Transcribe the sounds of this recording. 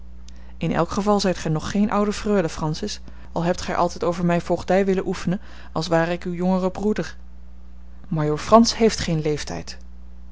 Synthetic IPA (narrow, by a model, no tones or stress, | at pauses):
ɪnɛ̰lˠkχəvɑlˠzɛjtχɛjnɔχːejnʔʌwdəfrøːləfrɑnsɪs | ɑlˠɦɛp̚tχɛjʔɑ̰lˠtɛjtowvəɹmɛjfolχdɛjʋɪləʔufənən | ɑlˠsʋaːrəɪkywjɔŋərəbrudəɹ | majoːɹfrɑnsɦejftχejnlejftɛ̰jt